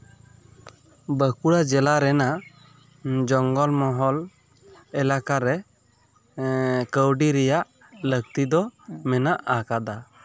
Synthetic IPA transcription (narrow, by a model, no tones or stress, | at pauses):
bəkuɽad͡ʒɛlaɾɛna | d͡ʒɔŋɡɔlmɔɦɔl | ɛlakaɾɛ | kəwɖiɾɛjaʔ | lək̚t̪id̪ɔmɛnaʔakad̪a